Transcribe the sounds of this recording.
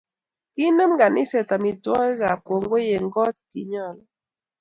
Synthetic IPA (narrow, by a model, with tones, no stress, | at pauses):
ki˦nə˦mɡa˨nɪ˦sɛ˨ta˨mɪ˨twɔ˦ɡa˨po˨ŋɡo˦je˨ŋɡɔ˦t̪̚ki˨ɲɔ˦˨lɔ